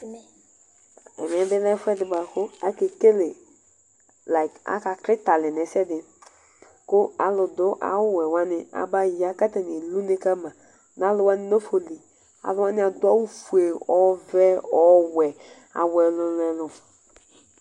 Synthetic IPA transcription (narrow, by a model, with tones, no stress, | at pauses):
ɛ˨mɛ˨˦bɪ˦lɛ˦fɛ˦dɪ˨ba˨kʊ˦a˦ke˨ke˦lɪ˨ | la˨ɪ˨ka̰˨˦ka˨kɾɪ˦ta˨lɪ˨nɛ˨sɛ˦dɪ˨ | kʊ˦a˨lʊ˨dʊ˦ʔa̰˨wʊ˦wɛ˨wa˦nɪ˨a̰˨ba˦ja˦ka˦tɛ˨ni˨lu˦nɪ˦ka˦ma˨ | na˦lʊ˨wa˦nɪ˦no˦fo˨li˨ | a̰˨lʊ˦wa˦nɪ˦a˨dʊ˦a˦wu˦fu˨e˨ɔ˦vɛ˦ɔ˦wɛ˨ | a̰˨wɛ˨lʊ˦lɛ˦lʊ˨